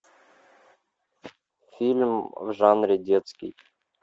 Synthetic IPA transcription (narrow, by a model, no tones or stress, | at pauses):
fʲilʲmvʐanɾʲɪdʲet̪skʲɪ̰j